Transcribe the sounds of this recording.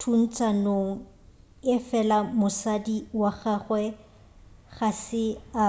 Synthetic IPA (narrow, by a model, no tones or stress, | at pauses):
tʰun̩t͡sʼanoŋ̩ | ɪfɛlamʊsadiwaɣaχwɛ | ɣasɪa